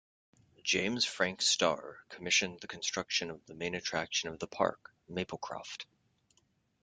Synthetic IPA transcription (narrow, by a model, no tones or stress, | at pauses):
d̥ʒ̥ẽɪ̃mz̥fɹæ̃ŋkstɑ̰ɹkʰəmɪʃɨ̃nðɨkʰn̩stɹ̥ʌkʃɨ̃nʌvðəmẽɪ̃nɨtʰɹ̥ækʃɨ̃nʌvðəpʰɑ̰ɹk | meɪpl̩ˠkʰɹ̥ɑ̰ft